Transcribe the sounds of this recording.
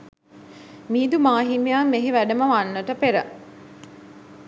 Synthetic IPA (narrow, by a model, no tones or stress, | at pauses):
miːd̪umaːɦimejamːeɦiʋæɖəməʋanːəʈəpeɾə